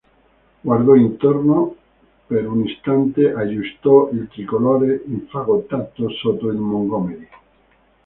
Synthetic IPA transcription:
ɡwaɾd̪ɔint̪oɾno | peɾunist̪ant̪eʔaʒust̪ɔilt̪ɾikolɔɾeiɱfaɣot̪at̪ːosot̪oilmoŋɡɔmeɾi

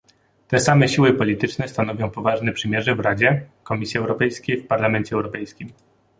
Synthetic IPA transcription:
t̪ɛsamɛɕiwɘpɔlʲit̪ɘt͡ʂnɛst̪anɔvʲjɔ̃w̃pɔvaʐnɛpʂɘmʲjɛʐɛvɾad͡ʑɛkɔmʲisʲjiɛwɾɔpɛjskʲejfpaɾlamɛnt͡ɕɛɛwɾɔpɛjskʲim

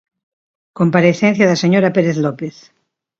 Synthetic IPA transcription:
kõmpaɾeθen̟θjaðaseɲoɾapeɾeθlopeθ

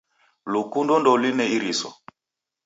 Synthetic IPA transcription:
lukundɔndɔlinɛiɾisɔ̰

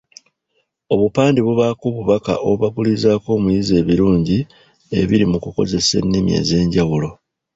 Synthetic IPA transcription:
o̞βupaːndiβuβakuβuβaka̰ʔo̞βaɡulizaːko̞ːmujize̞ːβiɾuːɲɟi | e̞̰βiɾimukuko̞̰ze̞se̞̰nːimje̞̰ːze̞ːɲɟawulo̞

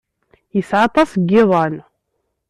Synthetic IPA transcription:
jəsʕɑt̪ˤɑsəɡːɪðˤɑn

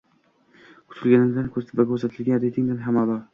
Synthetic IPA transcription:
kʰʊ̥t̪ʰɪlˠɡʲanɪnd̪ankʰɵɾt̪ʰɪbakʲʰɵɾsat̪ʰɪlɡʲanɾet̪ʰɪŋd̪anɦamɒlɒɾ

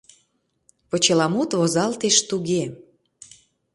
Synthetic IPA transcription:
pŏt͡ɕelɑmut̪βozɑlt̪eʃt̪uɣe

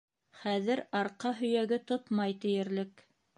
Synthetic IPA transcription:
χæðɘɾɑɾqɑɦɵ̆jæɡɘt̪ot̪mɑjt̪ɘ̆jɘ̆ɾlɘk

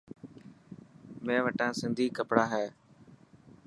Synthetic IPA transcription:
mẽːʋəʈãːsɪnd̪ʱiːkəpɽaːɦɛː

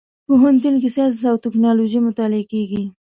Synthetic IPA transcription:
poɦant̪̬unk̬ɪsɑs̬sawt̪ɪknɑloʒimʊt̪ɑlɪakeɡi

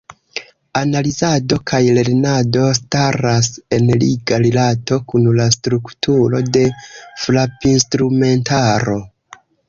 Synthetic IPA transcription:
analizado̞kʰajle̞ɾnado̞staɾase̞nliɡaɾelato̞kunlastɾuktʰuɾo̞de̞flapinstɾume̞ntaɾo̞

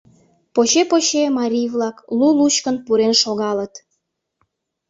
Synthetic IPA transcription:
poɕepoɕemɑɾʲijβlɑklulut͡ɕkənpuɾenʃoɣɑlət̪

